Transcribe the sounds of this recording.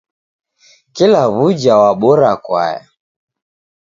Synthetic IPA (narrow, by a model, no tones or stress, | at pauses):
kilaβud͡ʒawaɓɔɾakwa̰ja̰